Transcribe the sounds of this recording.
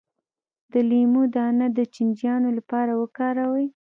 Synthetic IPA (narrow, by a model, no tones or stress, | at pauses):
d̪̥əlimud̪ɑnad̪ət͡ʃɪnd͡ʒjɑnolapɑɾawəkɑɾawəj